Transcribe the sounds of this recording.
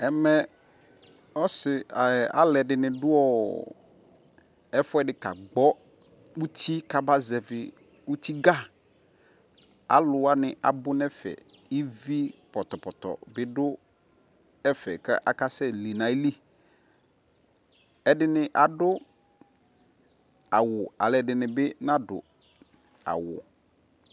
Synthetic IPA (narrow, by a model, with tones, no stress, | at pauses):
ɛ˨mɛ˦ | ɔ˦sɪ˨a̰˦lɛ˨dɪ˨nɪ̃˨dʊ˦ɔ˦˨ | ɛ˦fʊ˦ɛ˦dɪ˨ka̰˨ɡ͡bɔ˦ | u˦t̪ʰi˦ka˨ba˦zɛ˨vɪ˨ | u˦t̪i˦ɡa˦˨ | a̰˨lʊ˨wa˦nɪ˨ʔa˨bʊ˦nɛ˦fɛ̰˨ | i˦vi˦pɔ˨t̪ɔ˨pɔ˨t̪ɔ̰˨bɪ˦dʊ˦ | ɛ˦fɛ̰˨kʔa˨ka˦sɛ˦li˨nã˨i˦li˦ | ɛ˦dɪ˦nɪ˦ʔa˨dʊ˦ | a˨wʊ˨a˨lɛ˨dɪ˨nɪ̃˨bɪ˦nã˦dʊ̰˨ | a̰˨wʊ̰˨